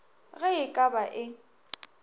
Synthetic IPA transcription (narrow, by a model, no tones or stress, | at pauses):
ɣɛɪkʼabaʔɪ